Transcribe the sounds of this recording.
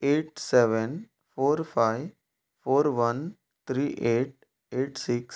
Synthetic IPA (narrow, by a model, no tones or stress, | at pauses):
eːʈ̚seʋən | foːɾfaɪ | foːɾʋən | t̪ʰɾiːʔeːʈ̚ | eːʈsiks